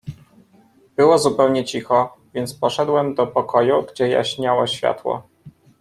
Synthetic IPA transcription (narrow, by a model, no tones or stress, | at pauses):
b̥ɘwɔzupɛwɲɛt͡ɕixɔ | vʲjɛnt̪spɔʂɛd̪wɛmd̪ɔpɔkɔjuɡd͡ʑɛja̰ɕɲawɔɕfʲja̰t̪wɔ̰